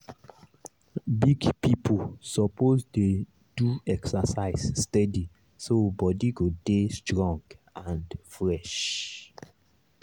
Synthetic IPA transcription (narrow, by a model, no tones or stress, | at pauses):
biɡpipʰusɔpozde | d̥uɛksasaɪsːtɛdi | sobɔdiɡodestʰɹɔ̃ŋɡãndfɹɛʃ